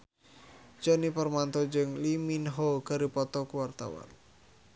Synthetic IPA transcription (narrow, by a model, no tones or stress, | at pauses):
d͡ʒɔnipərmant̪ɔd͡ʒɨŋliminɦoɡ̥aɾipɔt̪ɔkuwart̪a̰wa̰n